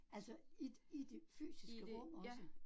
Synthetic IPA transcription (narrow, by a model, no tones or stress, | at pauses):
ælsɒi̥id̥e̝fy̰ːsissɡ̥əʁɔ̽m̰ɒ̽s